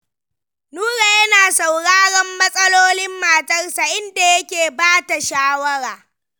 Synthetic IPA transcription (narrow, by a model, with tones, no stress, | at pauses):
nuː˦ɽaː˨jɐ˦naː˨sa˨wɽaː˦ɽɐ˦mːɐ˦sʼɐ˦loː˦lɪ˦mːaː˨tɐ˦rsa˨ʔɪ˦nda˨jɐ˦kʲeː˨baː˦ta˨ʃaː˦wɐ˦ɽaː˨